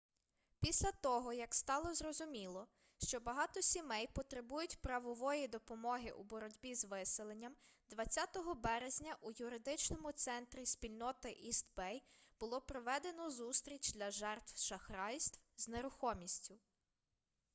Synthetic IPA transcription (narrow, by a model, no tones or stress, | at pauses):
pʲisʲlʲɐt̪ɔɦɔjɐkst̪ɑlˠɔzrɔzʊmʲilˠɔ | ʃt͡ʃɔbɐɦɑt̪ɔsʲimɛjpɔt̪ɾɪbujʊtʲpɾɐʋɔʋɔjid̪ɔpɔmɔɦɪʔubɔɾɔdʲbʲizʋɪselˠenʲːɐmd̪ʋɐt͡sʲːat̪ɔɦɔbɛɾezʲnʲɐʔujʊɾɪd̪ɪt͡ʃnɔmʊt̪sɛnt̪ɾʲisʲpʲilʲnɔt̪ɪʔist̪bɛjb̥ʊlˠɔpɾɔʋɛd̪e̞nɔzust̪ɾʲit͡ʃʲd̪ʲlʲɐʒɛrt̪wʃɐxɾɑjsʲt̪wzneɾʊxɔmʲisʲtʲʊ